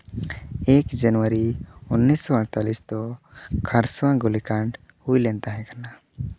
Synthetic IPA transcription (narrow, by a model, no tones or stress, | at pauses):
ekd͡ʒanwaɾiunːisːɔəɽ̃t̪alisd̪ɔ | kʰaɾswãɡulikaɳɖ | hujlɛnt̪aɦɛ̃kana